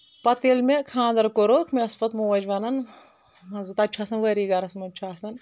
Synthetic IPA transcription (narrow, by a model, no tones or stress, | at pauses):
pɐt̪elmekʰãːnd̪ɐɾkoɾokʰmeɐspɐt̪moʋɐd͡ʒʋɐnɐn | zɨt̪ɐt͡ʃʰaːsɐnʋɐɾiɡɐɾɐsmɐt͡ʃʰaːsɐn